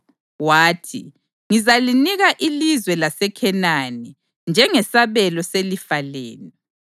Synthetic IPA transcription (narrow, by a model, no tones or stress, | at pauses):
waːtʰḭ | ŋizaliniɣaʔilizwɛlasɛkʰɛnani | nd͡ʒʱɛŋɛsaβɛlɔselifaleːni